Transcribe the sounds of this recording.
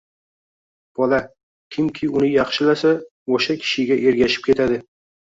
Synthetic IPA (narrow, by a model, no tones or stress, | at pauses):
b̥ɒla | kʲʰɪmkʲʰɪʊnɪjɑχʃɪlasa | oʃakʲʰɪ̥ʃɪɡʲaʔe̞ɾɡʲaʃɪ̥p̚kʲe̞t̪ʰad̪ɪ